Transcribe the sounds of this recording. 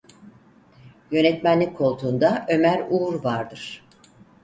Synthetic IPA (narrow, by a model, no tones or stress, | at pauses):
jø̞nɛt̪mænlːʲikkʰo̞lˠt̪ʰuːnd̪aʔø̞mæɾuɾvaɾd̪ɯɾ̥